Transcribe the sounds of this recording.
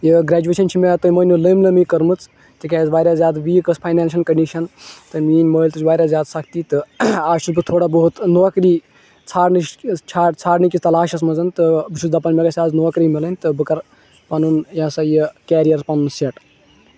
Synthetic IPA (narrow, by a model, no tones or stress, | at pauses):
jəɡɾaːd͡ʒueʃɐnt͡ʃʰimet̪ɨməːnʲuləmləmikɐɾmɨt͡s | t̪ikʲazʋaːjɾazjaːd̪ʋiːkəspʰajnaːnʃɐlkɐɳɖiʃɐnt̪ɨmiːnməːlʲt̪ɨt͡ʃʋaːɾʲazjaːd̪sɐkʰt̪it̪ɨaːʃusbɨt̪ʰoːɽabɐɦut̪noːkɾiː | t͡sʰaːɾnɨʃt͡ʃʰaːt͡sʰaːɾnikʲit̪ɐlaːʃɐs̬mɐzɐnt̪ɨbɨt͡ʃʰud̪ɐpɐnmeɡasʲaːznoːkɾimilənʲt̪ɨbɨkɐɾ | pɐnunjãsɐjəkɛːɾijɐɾpɐnunseʈ